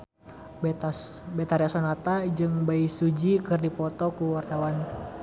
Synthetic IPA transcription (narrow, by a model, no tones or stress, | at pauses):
bɛt̪aɾiasɔnat̪ad͡ʒɨŋbaisud͡ʒikɨrdipɔt̪ɔkuwart̪awan